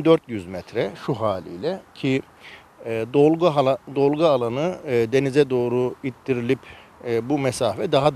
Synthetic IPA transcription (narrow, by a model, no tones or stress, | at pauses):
d̪øɾt̪jyzmɛt̪ʰɾɛʃuɦaːlʲḭjlʲɛcʰi | d̪oɡad̪o̞lˠɡaalˠanɯd̪e̞nizɛd̪o̞ːɾuit̪d̪iɾilʲipːbumɛsaːfɛd̪aɦad̪